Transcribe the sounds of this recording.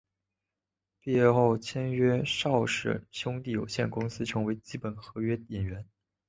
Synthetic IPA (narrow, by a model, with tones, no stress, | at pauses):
pi˥˧ɥɛ˥˧xo˥˩ʊt͡ɕʰjɛ˥nɥɛ˥ʂɑ˥˧ʊʂɻ̩̰˥˩ɕjʊ˥ŋt̪i˥˩jo˨˩ʊɕjɛ˥˩nkʊ˥ŋsɹ̩˥ʈ͡ʂʰɤ˧˥ŋwe˧˥ɪt͡ɕi˥pə˨˩nxɤ˧˥ɥɛ˥t̪i˨˩nɥɛ˧˥n